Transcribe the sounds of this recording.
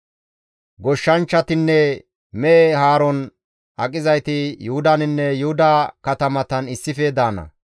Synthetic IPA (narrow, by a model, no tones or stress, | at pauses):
ɡɔʃːɐnt͡ʃːɐt̪ɪnːɛ | mɛeɦaːɾɔn | ʔɐkʼɪzɐjt̪ɪjʊhʊd̪ɐnɪnːɛjʊhʊd̪ɐkɐt̪ɐmɐt̪ɐnɪsːɪfɛd̪aːnɐ̰